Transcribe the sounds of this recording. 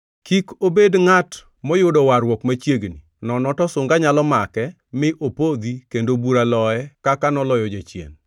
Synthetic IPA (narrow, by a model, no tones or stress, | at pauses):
kikobedŋat | mɔjʊdɔwaɾwɔkmat͡ʃjeɡnḭ | nɔnɔtɔsʊŋɡaɲalɔmakɛ | mɪʔopod̪ikendobuɾalɔɛkakanɔlɔjɔd͡ʒat͡ʃjḛn